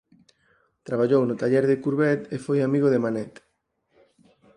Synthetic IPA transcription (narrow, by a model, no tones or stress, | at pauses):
t̪ɾaβ̞aʎownʊt̪aʎɛɾðɪkuɾβɛt̪efojamiɣoðemanɛt̪